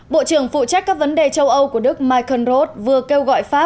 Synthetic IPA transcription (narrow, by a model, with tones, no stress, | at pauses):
ɓo̰˧˨t͡ɕɨ˧˩əŋfṵ˧˨t͡ɕa˦˥k̟kːaː˦˥k̚və˨˦nɗe˨˩t͡ɕə˧wʔə˧wku˧˩əɗɨ˦˥k̚maː˧jkʰə˧˩nzo˦˥t̚vɨ˨˩əke˧wɣɔ̰˧˨jfaː˦˥